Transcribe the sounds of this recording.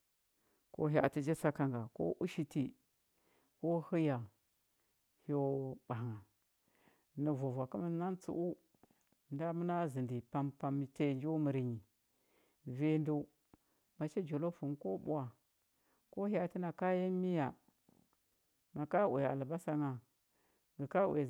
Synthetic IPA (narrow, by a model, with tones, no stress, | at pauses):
ko̰˦ɦa̰˨ti˦d͡ʒi˦sa˦ka˨ŋɡa˨ko̰˦ʔu˦ʃi˦ti˨ | ko˦hu˦ja˨ | ho˦ɓa˨ŋa˨ | ni˨vu˨vʷa˨ku˦ma˨˦na˦nt͡sṵ˨˦ʔu˦˨ | nda˦mu˦na˦zi˨ndi˨pa˦mpa˨m˨te˦˨nd͡ʒu˦mi˨ɾi˨ɲi˨ | vi˦ndu˦ | ma˨t͡ʃi˦d͡ʒo˨lo˦fu˨nko˦bṵ˦wa˨ | ko˦hja˨ti˦na˨ka˦ji˦mi˦ja˨ | ma˨ka˦wḛ˨a̰˨lba˦sa˦ŋa˨ | ɡə˨ka˦wḛ˨